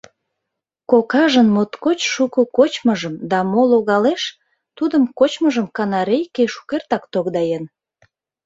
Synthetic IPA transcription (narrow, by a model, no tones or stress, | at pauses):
kokɑʒənmot̪kot͡ɕʃukəkot͡ɕməʒəmd̪ɑmoloɣɑleʃ | t̪ud̪əmkot͡ɕməʒəmkɑnɑɾejkeʃu̥kert̪ɑkt̪oɣd̪ɑjen